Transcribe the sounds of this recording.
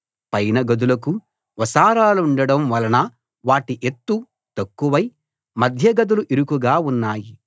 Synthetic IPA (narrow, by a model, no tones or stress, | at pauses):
pɐjnɐɡɐd̪ulɐk̬u | ʋɐsaːɾaːluuɳɖɐɽɐmʋɐlɐnɐ | ʋaːʈiʔet̪ːu | t̪ɐkːuʋɐj | mɐd̪ʱjɐɡɐd̪uluʔiɾukuɡaːunːaːji